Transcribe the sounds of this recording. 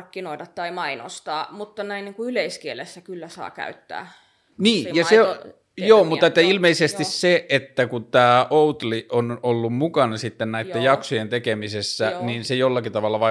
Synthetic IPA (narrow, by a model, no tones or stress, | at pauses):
rkːinoidɑt̪t̪ɑimɑino̰st̪ɑːmut̪ːɑnæiniːŋkuyleiskielesːækylːæsɑ̰ːkæ̰yt̪ːæ̰ː | niːjɑse | joːmut̪ːɑet̪ːæilmeisest̪isseʔet̪ːækut̪æːʔout̪liʔonolːummukɑnɑsit̪ːennæit̪ːæjɑksojent̪ekemisesːæniːnsejolːɑkit̪ɑʋɑlːɑʋɑ